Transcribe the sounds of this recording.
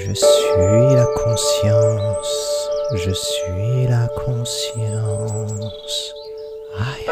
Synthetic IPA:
ʒəsɥilakʰɔ̃sjɑ̃sʒəsɥilakʰɔ̃sjɑ̃ | s | a

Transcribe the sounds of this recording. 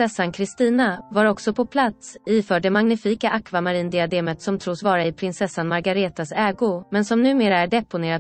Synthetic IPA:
ɛsːankʰɾɪst̪iːnavaɾɔksɔpʰɔpʰlat̪sifœːɖɛmaŋnɪfiːkaʔakvamaɾiːnd̪ɪad̪eːmət̪sɔmt̪ʰɾuːsvɑːɾaɪpʰɾɪnsɛsːanmaɾɡaɾeːt̪asɛːɡʊmɛnsɔmnʉ̟ːmeːɾaæɖɛpʊneːɾad̪

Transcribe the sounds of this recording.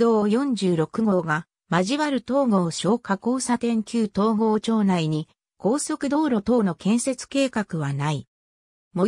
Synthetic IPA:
oːjõ̞ɲd͡ʑɨːɾo̞kɯ̟ɡo̞ːɡa | maʑiβaɾɯ̟t̪o̞ːɡo̞ːɕo̞ːkako̞ːsat̪ẽ̞ŋkʲɨːt̪o̞ːɡo̞ːt͡ɕo̞ːnaiɲ̟i | ko̞ːso̞kɯ̟d̪o̞ːɾo̞t̪o̞ːno̞kẽ̞ɰ̃se̞t͡sɨ̥ke̞ːkakɯ̟βanai | mo̞

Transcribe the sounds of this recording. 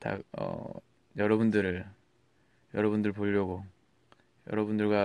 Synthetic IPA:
ta̰ʌ̰ | jʌɾʌbundɯɾɯɭ | jʌɾʌβundɯɭpoʎːʌɡo | jʌ̰ɾʌbundɯɭɡwa

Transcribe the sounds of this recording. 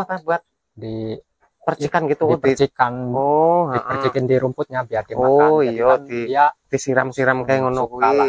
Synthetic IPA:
at̪abuat̪̚ | di | pərt͡ʃikanɡit̪udərt͡ʃikanoaiʔərt͡ʃikɪndiɾumpʊt̪̚ɲabiadioaijɔd̪iijad̪isiɾamsiɾamkaŋɔnɔkukala

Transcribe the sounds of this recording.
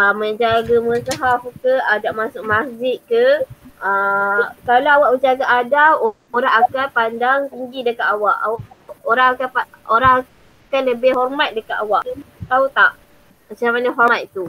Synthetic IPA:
aməɲd͡ʒaɡaməsaɦafkəadaʔmasʊʔ̚mahd͡ʒɪt̪̚kəəkalawawaʔəd͡ʒaɡaʔadaʔ | oɾaŋakanpandaŋt̪iŋɡidəkat̪awaʔawa | oɾaŋakapa | oɾaŋa | kanləbɪɦɔrmat̪̚dəkat̪awaʔt̪aut̪aʔ | mat͡ʃamanaɦɔat̪̚t̪u

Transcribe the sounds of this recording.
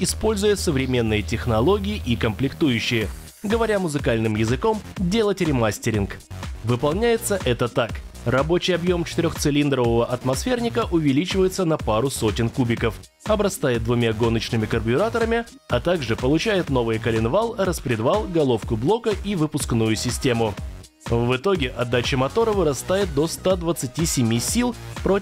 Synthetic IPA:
ɪspo̞lʲzʊjɪsəvɾʲɪmʲe̞nːɨjətʲɪxnɐlˠo̞ɡʲɪːʔikəmplʲɪkt̪ujʉɕːɪjə | ɡəvɐɾʲamʊzɨkalʲnɨmjɪzɨko̞mdʲe̞lˠətʲɾʲɪmasʲtʲɪɾʲɪnkvɨpɐlˠnʲæjɪt̪səʔɛt̪ət̪akrɐbo̞t͡ɕɪjɐbjo̞mt͡ɕɪ̥t̪ɪɾʲo̞xt̪sɨlʲind̪ɾəvəvəʔɐt̪mɐsfʲe̞rnʲɪkəʔʊvʲɪlʲit͡ɕɪvəjɪt̪sənɐpaɾʊso̞tʲɪnkubʲɪkəf | ɐbɾɐst̪ajɪt̪̚d̪vʊmʲaɡo̞nət͡ɕnɨmʲɪkərbʲɪɾat̪əɾəmʲɪ | ɐt̪aɡʐɨpəlˠʊt͡ɕæjɪt̪no̞vɨjəkəlʲɪnvalˠɾəspɾʲɪd̪valˠɡɐlˠo̞fkʊblˠo̞kəʔivɨpʊsknujʊsʲɪsʲtʲe̞mʊ | vɨt̪o̞ɡʲɪʔɐd̪ːat͡ɕɪmɐt̪o̞ɾəvɨɾɐst̪ajɪt̪̚d̪o̞st̪ad̪vət̪sɨtʲisʲɪmʲisʲilˠpɾo

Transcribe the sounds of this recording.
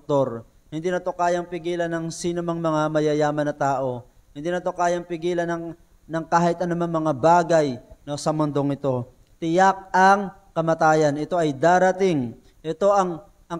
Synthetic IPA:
t̪o̞ɾ | hɪnd̪iːnɐt̪o̞kaːjɐŋpɪɡiːlɐnɐŋsiːnomɐŋmɐŋamɐjɐjaːmɐnːɐt̪aːʔo̞ | hɪnd̪iːnɐt̪o̞kaːjɐŋpɪɡiːlɐnɐ | nɐŋkaːhɪt̪ʔɐnomaŋmɐŋabaːɡɐjnosɐmʊnd̪o̞ŋɪt̪o̞ | t̪ɪjak̚ɐŋ | kɐmɐt̪aːjɐnʔɪt̪o̞ʔɐjd̪aːɾɐt̪ɪŋ | ʔɛt̪o̞ʔɐŋ | ʔɐ

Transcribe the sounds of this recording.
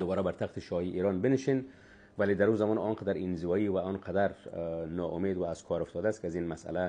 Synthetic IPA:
d̪ʊbɒːɾabaɾt̪ʰaxt̪ɪʃɒhiʔiːɾɔnbɪnɪʃin | valed̪aɾuzamɔnɔnqad̪aɾɪnzɪvɒːiwaɔnqʰad̪aɾnɔːʔʊmed̪waːz̥kʰɒɾʊft̪ɔːd̪ast̪kɪazinmasʔa̰la

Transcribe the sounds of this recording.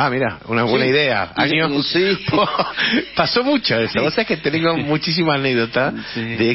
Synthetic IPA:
amiɾa̰unaβwenaiðea̰a̰ɲɲopopasomut͡ʃoesoβoseket̪eneŋɡomut͡ʃis̬imaːneɡðot̪aðe

